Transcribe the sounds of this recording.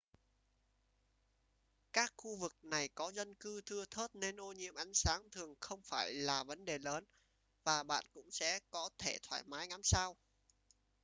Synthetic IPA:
kaː˦˥k̚xu˧vɨ˨˩k̚na˨˩jkɔ˨˦zə˧nkɨ˧t̪ʰɨ˧ət̪ʰo˦˥t̚ne˧nʔo˧ɲḭ˧˥əmʔa˨˦jŋ̟saː˨˦ŋt̪ʰɨ˨˩əŋxə˧wŋ͡mfaː˧˩jlaː˨˩və˨˦nɗe˨˩ləː˨˦n | vaː˨˩ɓa̰ː˧˨nkʊ̰˧˥ŋ͡msɛ̰˧˥kɔ˨˦t̪ʰe˧˩t̪ʰwa̰ː˧˩jmaː˨˦jŋa˨˦msaː˧w

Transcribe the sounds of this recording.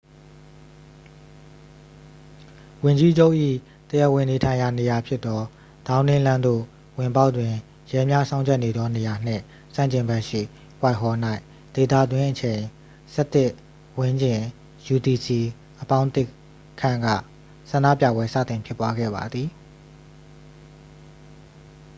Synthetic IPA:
wʊ̃˨ɲd͡ʑi˦d͡ʑo˦ʊʔḭ˦˨ | t̪əjɛ˦˨ʔwɪ̃˨ne˨tʰã˨ɪ̃ja˨ne˨ja˨pʰjɪ˦t̪ːɔ˦ | d̥ã˦ʊ̃nɪ̃˦lã˦nd̪o̰˦˨ | wɪ̃˨mpa˦ʊʔtwɪ̃˨ | jɛ˦mja˦sã˦ʊ̃ɲt͡ɕʰɛ˦ʔne˨d̪ɔ˦ne˨ja˨n̥ɪ̰̃˦˨ | sã̰˦˨ɲt͡ɕɪ̃˨mbɛ˦ʔʃḭ˦˨ | kwa˦ɪʔɦɔ˨n̥a˦ɪ | d̪̥e˨t̪ä̰˦˨d̪wɪ̃˦ʔət͡ɕʰẽ˨ɪ̃ | sɛ˦t̪ɪ˦˨ʔ | wɪ̃˦ɲd͡ʑɪ̃˨ | ju˨ti˨si˨ | ʔəpã˦ʊ̃t̪ɪ˦ | kʰːã̰˦˨ŋɡä̰˦˨ | sã˨ndä̰˦˨pjä̰˦˨bwɛ˦sä̰˦˨t̪ɪ̃˨mpʰjɪ˦˨pːwa˦ɡɛ̰˦˨ba˨d̪ði˨

